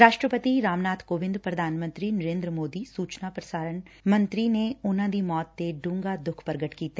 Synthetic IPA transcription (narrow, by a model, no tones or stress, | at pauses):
ɾaːʃʈɾəpət̪iɾaːmnaːt̪ʰkoːʋɪ̃nd̪pɾɐd̪ʱaːnmə̃nt̪ɾinɐɾẽːnd̪ɾəmoːd̪isuːt͡ʃnapɾɐsaːɾən | mɐ̃nt̪ɾineʊnãd̪imɔːt̪ːeɖũːŋɡad̪ʊkʰpɐɾɡəʈkiːt̪e